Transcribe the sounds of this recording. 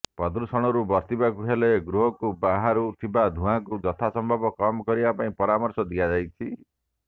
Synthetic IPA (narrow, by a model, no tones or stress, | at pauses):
pɔd̪ɾusɔɽ̃ɔɾubɔɾt̪ibakuɦeleɡɾuɦɔkubaɦaɾut̪ʰibad̪ʱũãkud͡ʒɔt̪ʰasɔmbʱɔbɔkɔmɔkɔɾibapaĩpɔɾamɔɾsɔd̪iad͡ʒajt͡ʃʰi